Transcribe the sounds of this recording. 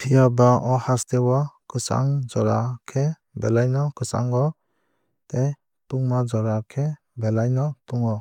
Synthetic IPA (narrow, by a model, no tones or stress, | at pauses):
pʰijabaʔɔhastewɔkɯsa̰ŋd͡ʒɔɾakʰe | belajnɔkɯsa̰ŋɡɔ | te | puŋmad͡ʒɔɾakʰe | belajnɔtuŋɔ